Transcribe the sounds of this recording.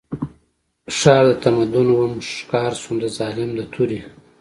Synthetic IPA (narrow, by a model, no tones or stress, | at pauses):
ʂɑːlət̪amad̪unwamʂkɑːɾsund̪əzɑːlɪmd̪ət̪ʰuɾi